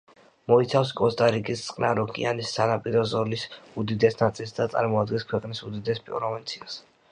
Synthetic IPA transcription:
mɔit̪sʰafs̬kʼɔst̪ʼaɾikʼist̪sʼqʼnaɾɔkʼḭanisːanapʼiɾɔzɔlisud̪id̪ɛsnat̪sʼilsd̪at̪sʼa̰ɾmɔad̪ɡɛnskʰwɛqʼnisud̪id̪ɛspʼɾɾɔvint̪sʰias

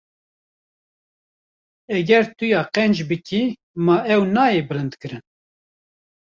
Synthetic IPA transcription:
ɛɡɛɾt̪ʊjɑːqɛnd͡ʒbɨkʰi | mɑːɛwnɑːjeːbɨɾɨnd̪kɨɾɨn

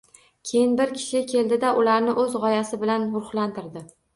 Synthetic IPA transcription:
kʲʰe̞jɪnbɪɾkʲʰɪ̥ʃɪkʲʰe̞ld̪ɪd̪aʔʊlaɾnɪʔɵzʁɒjasɪbɪlanʊɾχlant̪ʰɪɾd̪ɪ

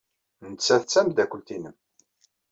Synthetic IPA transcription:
nət͡sːæθt͡sːæmd̪ækʷəlt̪inəm

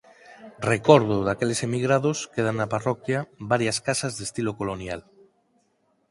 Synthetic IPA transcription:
rekoɾð̞oðakelese̞miɣɾaðoskeð̞anːaparokjaβaɾjaskasazðest̪ilokolonja̰l

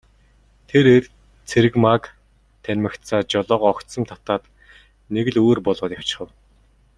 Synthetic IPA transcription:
t̪ʰeɾer | t͡sʰeɾɘ̆kmak | t̪ʰænʲmɘ̆kt̪t͡saːt͡ɕɔɮɔːqɔkt̪sɞ̆mt̪ʰḁt̪aːt̪ | neɣ̆ɮuːrpɔɮʊːt̪jaw̥t͡ɕɪ̥̆χə̆w

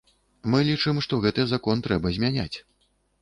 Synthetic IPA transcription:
mɨlʲit͡ʂɨmʂt̪ɔɣɛt̪ɨzakɔnt̪ɾɛbɐzʲmʲanʲa̰t͡sʲ

